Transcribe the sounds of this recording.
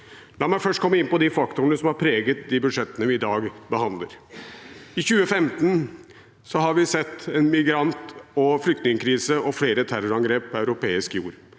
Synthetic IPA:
lɑːmæɪfœʂʈ̚kʰɔmːəɪnpɔd̪ifɑkt̪ʊnəsɔmhɑɾpʰɾeːɡət̪̚d̪ibʉd̪ʂɛt̪ːənəʋɪɪd̪ɑːɡbəhɑnd̪lə̰ɾ | ɪçʉːəfɛmt̪n̩ | sɔɦɑɾʋɪsɛt̪ːɛːnmɪɡɾɑnt̪ɔflʏkt̪nɪŋəkʰɾiːsəɔfleːɾət̪ʰæɾɔɾɑŋɡɾeːpʰːɔɑʉɾʊpeːɪskjuːɾ

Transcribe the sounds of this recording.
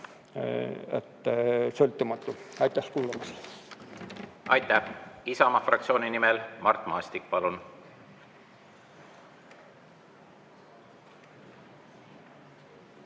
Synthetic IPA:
ḛt̪ːˑsølt̪ːˑumɑt̪ːˑuɑjt̪ːˑæskuːlɑmɑsl | ɑjt̪ːˑæhisɑmɑfrɑk̚t̪sio̞ːninimelmɑrt̪ːˑmɑːst̪ik̚pɑlun

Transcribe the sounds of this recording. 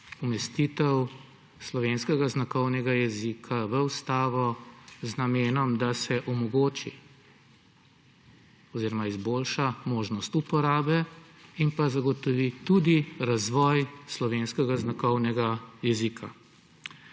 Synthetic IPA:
umɛst̪it̪ɛw | slɔʋenskɛɡaznakɔwnɛɡajɛzikʰaʋəwst̪aːʋɔznameːnɔmd̪asɛʔɔmɔɡoːt͡ʃi | ɔziːɾɔmaizbolʃamoːʒnɔst̪upɔɾaːbɛ | impazaɡɔt̪ɔʋit̪ud̪iɾazʋɔjslɔʋenskɛɡaznakɔwnɛɡajɛzikʰa̰

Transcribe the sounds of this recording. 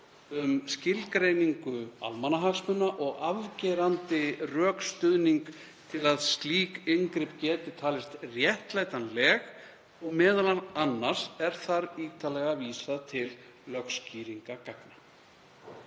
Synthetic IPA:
ʏmscɪlkɾejniŋkʏa̰lmanaɦaksmʏnːaʔɔɣavcɛːɾant̪ɪrœːkst̪ʏðniŋk | t̪ʰɪlaðst̪liːkɪŋkɾɪpcɛːt̪ɪt̪ʰaːlɪst̪rjɛht̪laːjt̪anlɛːɣ | ɔɣmɛːðalananːar̥sɛɾ̥θaɾiːt̪alɛɣaviːsaðt̪ʰɪlː | œxsciːɾiŋkakakna

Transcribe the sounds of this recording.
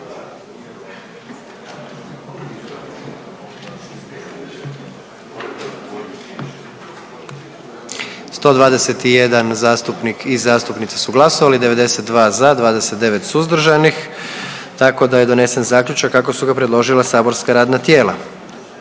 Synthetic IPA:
st̪o̞ːd̪ʋaːd̪e̞set̪ije̞d̪anzaːst̪upnikʰizaːst̪upnit̪sesuɡlˠaso̞ʋalid̪e̞ʋe̞d̪e̞set̪d̪ʋaːzad̪ʋaːd̪e̞set̪̚d̪e̞ʋe̞t̪suzd̪ɾ̩ʒanix | t̪ako̞d̪aje̞d̪one̞senzaːkʎʲut͡ʃakːako̞suɡapɾe̞d̪lˠo̞ʒilˠasaːbo̞ɾskaɾaːd̪nat̪je̞ːlˠa̰

